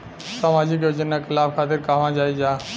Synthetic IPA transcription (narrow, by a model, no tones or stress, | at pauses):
samaːd͡ʒɪk̬joːd͡ʒənakʰɪlaːbkʰaːt̪ɪɾkaːʋãːd͡ʒaːid͡ʒaː